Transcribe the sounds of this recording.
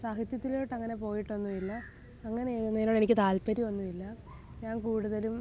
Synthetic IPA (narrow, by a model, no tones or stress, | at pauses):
saːɦit̪jɐt̪ːiloːʈːɐŋːɐne̞p̬o̞ːjiʈːonːuʋilːɐː | ŋːɐnenːenːo̞ːɽe̞nikʲːɨt̪aːlpɐɾiʋɐnːuʋilːɐ | ɲaːnkuːɽuðɐlum